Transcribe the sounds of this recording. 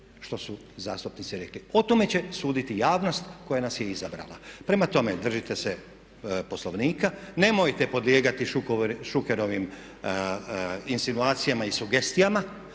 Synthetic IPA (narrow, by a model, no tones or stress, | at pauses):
ʃt̪o̞su | zaːst̪upnit̪iɾe̞klio̞t̪o̞me̞t͡ɕe̞suːd̪it̪ijaːʋno̞st̪ko̞janasjeizabɾa̰la̰pɾe̞mat̪o̞med̪r̩ʒit̪e̞se | po̞slo̞ʋniːkane̞mojt̪epo̞d̪lje̞ːɡat̪iʃʃukeɾo̞ʋim | insinuaːt̪sijamaisuɡe̞st̪ijama